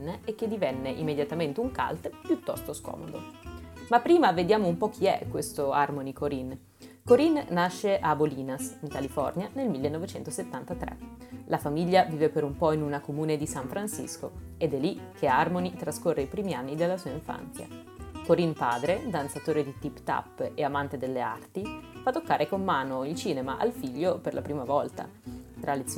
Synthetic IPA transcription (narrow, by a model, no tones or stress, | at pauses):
nek̟ːed̪ivɛnːeʔḭmːed̪jat̪ament̪euŋka̰lt̪pjut̪ːɔ̰st̪oskɔ̰ːmo̰d̪o̰mapːɾiːmaved̪jaːmoumpɔk̟ʰːiɛ̰kːwest̪oarmonikʰoɾin | koɾinːaʃːeʔaboliːnasiŋkalifɔ̰rnjanelmilːenːɔvet͡ʃɛnt̪oset̪ːant̪at̪ɾḛ | lafamiʎːaviːvepeɾumpɔinunakomuːned̪isaɱfɾansḭsko̰ed̪ɛlːik̟ʰearmonit̪ɾaskorːeipɾiːmianːid̪elːasuːaiɱfa̰nt̪sja̰ | koɾinpaːd̪ɾed̪ant̪sat̪oːɾed̪it̪ipt̪a̰pːeamant̪ed̪elːea̰rt̪ifat̪ːokːaːɾʔekomːaːnoilt͡ʃiːnemaʔalfiʎːoperlʔa̰pɾiːmavɔlt̪a̰t̪ɾalit̪s